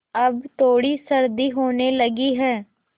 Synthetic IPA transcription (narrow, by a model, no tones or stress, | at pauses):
əbt̪oːɽiːsəɾd̪iːɦoːneːləɡiːɦɛː